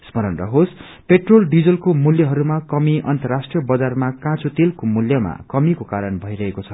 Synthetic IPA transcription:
smʌɾʌnrʌ̰ɦos | peʈrolɖid͡zʌlkomuljʌɦʌɾumakʌmiʔʌnt̪ʌrasʈrijʌbʌd͡zarmakãt͡sut̪elkomuljʌma̰kʌmikokaɾʌnbʱʌjɾʌɦekot͡sʰʌ̥

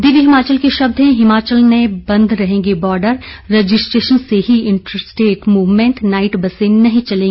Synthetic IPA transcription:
d̪iːʋiɦɪmaːt͡ʃəlkiʃɐb̚d̪ɦẽɦɪmaːt͡ʃəlnẽbɐ̃nd̪ʱɾɐɦẽːŋɡebɔːɾɖəɾːeːd͡ʒɪsʈɾeːʃənseɦiɪ̃ɳʈɾəsʈeːʈmuːʋmẽɳʈnaːɪʈbɐseːnnːɐɦĩt͡ʃɐlẽːŋɡeː

